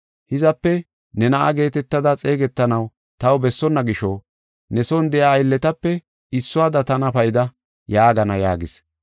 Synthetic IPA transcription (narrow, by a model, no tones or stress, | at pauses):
hɪzɐpːɛ | nɛnɐʔɐ̰ɡe̞ːt̪ɛt̪ːɐd̪ɐt͡sʼe̞ːɡɛt̪ːɐnɐw | t̪ɐwbɛsːɔnːɐɡɪʃɔ | nɛsɔnd̪ɛjaːjlːɛt̪ɐpːɛ | ɪsːʊaːd̪ɐt̪ɐnɐpɐjɪd̪ɐ | jaːɡɐnɐja̰ːɡɪs